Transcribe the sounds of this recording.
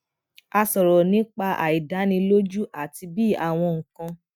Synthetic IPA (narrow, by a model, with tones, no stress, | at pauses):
a˧sɔ˨ɾɔ˨nĩ˨˦k͡pa˧ʔa̰˨i˨da˨˦nĩ˧lo˦d͡ʒu˦ʔa˨ti˧bi˦˨a˨w̃ɔ̃˧ŋ̩˨kã˧